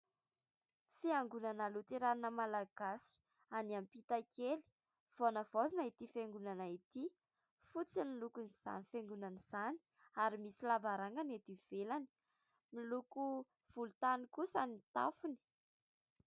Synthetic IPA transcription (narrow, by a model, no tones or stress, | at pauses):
fiaŋɡunanalut̪iɾaninəmalaɡ̥asi̥ | aniampit̪akeli̥ | v̥onəv̥ozinait̪ifeŋɡunanait̪i | fut͡sinilukuniz̥a̰nifeŋɡunaniz̥ani̥ | aɾimisilavaɾaŋɡanet̪iv̥elani̥ | miluku | v̥ulut̪anikusanit̪a̰funi̥